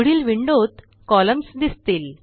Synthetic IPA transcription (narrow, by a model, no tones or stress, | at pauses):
ɽiːlʋiɳɖot̪ | kɔləmsd̪ist̪iːl